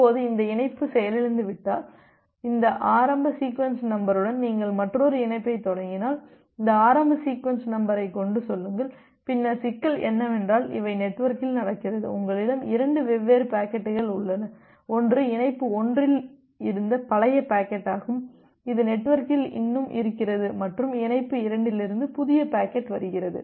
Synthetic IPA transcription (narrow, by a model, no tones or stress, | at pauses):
oːðɯɪnd̪ɐɪnɐɪpːɯsɛjɐlɪɻɯnd̪ɯʋɪʈːaːl | ɪnd̪ɐʔaːɾɐmbɐsiːkʋɐnsnɐmbɐɾɯɽɐnniːŋɡɐɭmɐʈrɔɾɯɪnɐɪpːɐɪt̪ːɔɽɐŋɡɪnaːl | ɪnd̪ɐaːɾɐmbɐsiːkʋɐnsnɐmbɐɾɐɪkɔɳɖɯsɔlːɯŋɡɐɭ | pɪnːɐsɪkːɐlɛ̰nːɐʋɛndraːlɪ̰ʋɐɪnɛʈːʋɐɾkɪlnɐɽɐkːɪɾɐðɯ̰ʊŋɡɐɭɪɽɐmɪɾɐɳɖɯʋɛʋːeːɾɯpaːkɛʈːɯɣɐɭʊɭːɐnɐ | ɔndrɯɪnɐɪpːɯɔndrɪl | ɪɾɯnd̪ɐpɐlɐjɐpaːkɛʈːaːɣɯm | ɪðɯnɛʈːʋɐɾkɪlɪ̰nːɯmʔɪ̰ɾɯkːɪrɐðɯmɐʈrɯmɪnɐɪpːɯɪɾɐɳɖɪlɪɾɯnd̪ɯpʊðɪjɐpaːkɛʈːʋɐɾɯɣɪɾɐðɯ̰